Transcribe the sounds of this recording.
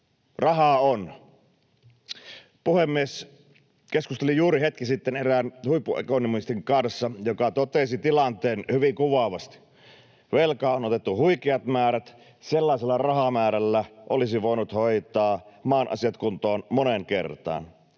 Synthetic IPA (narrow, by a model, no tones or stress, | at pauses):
rɑɦɑon | puhemːies | keskust̪elijuːɾihet̪kisit̪ːeneræːnhuipːuḛkonimuist̪iŋkɑnsːɑjokɑt̪ot̪esit̪ilɑnt̪eːnhyʋiŋkuʋɑʋɑst̪i̥ | ʋelkɑːonot̪et̪ːuhuikeɑt̪mæːɾæt̪ | selːɑˑiselːɑrɑhɑmæːɾælːæʔolisiʋoˑinut̪hoit̪ˑɑːmɑːnʔɑ̰siɑt̪kunt̪oːnmoneŋkḛrt̪ɑ̰ːn